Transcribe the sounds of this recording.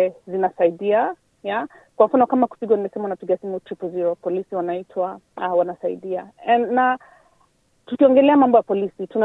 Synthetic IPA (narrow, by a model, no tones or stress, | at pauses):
ɛzinasaiɗia | ja | kwam̩fanɔkamaku̥piɡwanimɛsɛmaunapiɡiasimutɾipuziɾɔpɔlisiwanaitʰwawanasaḭɗiaɛnːa | tukiɔŋɡɛlɛamambɔjapɔlisituna